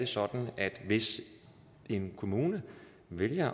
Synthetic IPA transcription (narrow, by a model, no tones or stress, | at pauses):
d̥e̝sɒ̽d̥n̩æd̥ʋe̝s | e̝nkʰo̝muːnə | ʋeljɐ